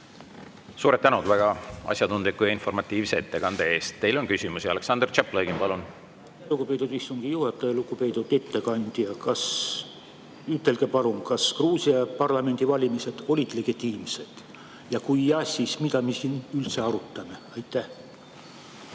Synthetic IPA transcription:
suːɾet̪ːænud̪væɡ̥ɑɑ̰sʲjɑt̪und̪likːˑujɑinfo̞rmɑt̪ːˑiːvseet̪ːe̞ɡ̥ɑnd̪̥ee̞ːst̪ːe̞jlo̞nkysʲimusiɑleksɑnd̪̥rt͡ʃepleɡimpɑlun | luɡupe̞ːt̪ud̪vist̪uŋɡ̥ijuhɑt̪ːˑɑjɑluɡ̥upe̞jt̪ud̪e̞t̪ːe̞kɑnd̪̥jɑkɑs | yt̪ˑːe̞lɡ̥epɑɾumkɑskruːsiɑjɑpɑrlɑme̞nʲd̪̥ivɑlʲimise̞d̪̥o̞lʲid̪̥le̞ɡ̥it̪ˑːiːmse̞d̪̥ | jɑkujɑsʲismid̪̥ɑmesinylt̪se̞ɑɾut̪ːˑɑme̞ɑjt̪ːˑæh

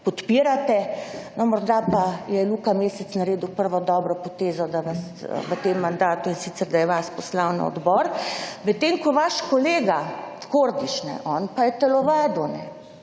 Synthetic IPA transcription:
pɔt̪piːɾat̪ɛnɔmɔɾd̪apajɛluːkameːsɛt̪snaɾeːd̪uwpəɾʋɔd̪ɔːbɾɔpɔt̪eːzɔd̪aʋas | ʋət̪emːand̪aːt̪uinsit̪sɛɾd̪ajɛʋaspɔslawna̰ɔ̰d̪bɔɾʋət̪eːŋkɔʋaʃkɔleːɡakoɾd̪iʃnɛ̰ʔɔːnpajɛt̪ɛlɔʋaːd̪unɛ

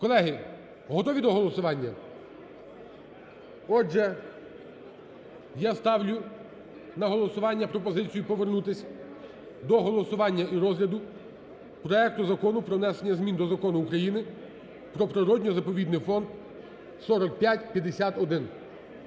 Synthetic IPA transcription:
kɔlˠɛɦɪ | ɦɔt̪ɔʋʲid̪ɔɦɔlˠɔsʊʋɑnʲːɐ | ɔd͡ʒɛ | jast̪ɑwlʲʊ | nɐɦɔlˠɔsʊʋɑnʲːɐpɾɔpɔzɪt͡sʲijʊpɔʋernut̪ɪsʲɐ | d̪ɔɦɔlˠɔsʊʋɑnʲːɐʔiɾɔzɦlʲɐd̪ʊ | pɾɔɛk̚t̪ʊzɐkɔnʊpɾɔnɛsenʲːɐzmʲind̪ɔzɐkɔnʊːkɾɐjinɪ | pɾɔpɾɪɾɔdʲnʲɔzɐpɔʋʲid̪nɪjfɔnd̪ | sɔɾɔk̚pʲjatʲpʲjɐd̪esʲat̪ɔd̪ɪn

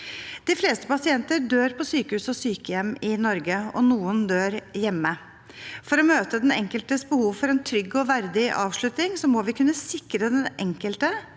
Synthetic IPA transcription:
d̪̥ɪfleːst̪ə̥pɑsɪɛnt̪əɖøːɾpʰɔsyːkəhʉːsɔsyːkəjɛmːɪnɔɾɡəɔ̰nuːənd̪øːɾjɛmːə | fɔɾɔmøːt̪əd̪ɛnɛ̰ŋkəlt̪əsbəhuːʋfɔɾɛnt̪ʰɾʏɡːɔʋæɾd̪ɪʔɑ̰ːʋʂɭʉt̪nɪŋsɔmɔʋɪkʰʉnːəsɪkɾəd̪ɛnʔɛ̰ŋkəlt̪ə

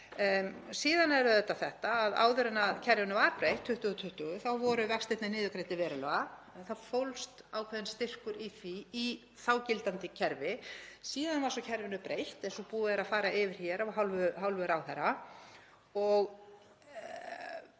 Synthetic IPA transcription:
siːðanɛɾʏðɛt̪ːaθɛht̪aːða̰ːwðʏɾɪnaðcʰɛɾjɪnʏvaɾpɾejht̪ʰːʏht̪ʏɣʏt̪ʰʏht̪ʏɣʏθawvɔɾʏvɛkst̪ejt̪nanɪːðʏkɾejt̪ɪvɛːɾʏlœɣa | θafowlst̪aːwkʰvɛðɪnst̪ɪr̥kʏɾiθii | θawcɪlt̪ant̪ɪcʰɛɾvɪsiːðanvaɾ̥sɔcʰɛɾvɪnʏpɾejht̪ɛnsɔpuːaðɪɾaðfaːɾaɪvɪɾ̥çɛːɾawɦawlvɦawlvœɾawθɛra | ɔɣ

